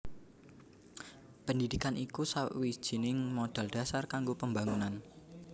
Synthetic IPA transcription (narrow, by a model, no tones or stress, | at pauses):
pəndid̪̥i̤kanʔikusawʔwi̥ʒ̥i̤nɪŋmod̥a̤ld̥ä̤sarkaŋɡopəmbaŋunan